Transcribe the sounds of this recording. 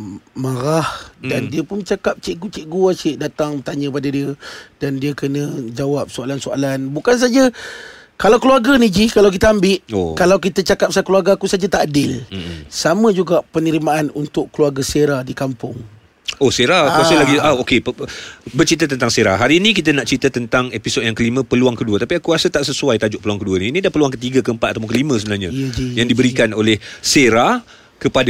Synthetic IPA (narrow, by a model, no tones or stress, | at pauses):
maɾahdandiəpʊnət͡ʃakap̚t͡ʃeʔɡut͡ʃeʔɡuaʃɪʔdat̪aŋət̪aɲə̃padadiədandiəkənə̃d͡ʒawap̚soalansoa̰lanbukans̬ad͡ʒə | kalawkəluaɡanid͡ʒikalawk̬it̪əambɪʔokalawk̬it̪ət͡ʃakap̚sakəluaɡaakusad͡ʒat̪aʔadɪlsamə̃d͡ʒuɡaʔpənəɾimaanunt̪ʊʔkːluaɡaseɾadikampʊŋ | ohseɾaasəlaɡiaokeəbərt͡ʃit̪at̪ənt̪aŋseɾa̰ɦaɾinĩk̬it̪ənaʔt͡ʃɾit̪ət̪ənt̪aŋepisod̚jaŋkəlimə̃pəluaŋkəduət̪apiakuɾasət̪aʔsəsuajt̪ad͡ʒʊʔ̚pəluaŋkəduəninidapəluaŋkət̪iɡakəəmpat̪̚at̪awpʊŋkəlimə̃səbənaɲajaŋdibəɾikanolɛhseɾa | kəpada